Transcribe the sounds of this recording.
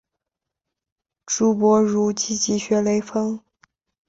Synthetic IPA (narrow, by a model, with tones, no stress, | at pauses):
ʈ͡ʂu˧˥pwɔ˧˥ɻu˧˥t͡ɕi˧˥t͡ɕi˧˥ɕɥɛ˧˥le˧˥ɪfɤ˥ŋ